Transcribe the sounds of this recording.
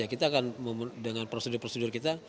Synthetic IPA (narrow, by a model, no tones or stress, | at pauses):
akit̪aːkanməmdəŋanpɾosedʊrpɾosedʊrkit̪a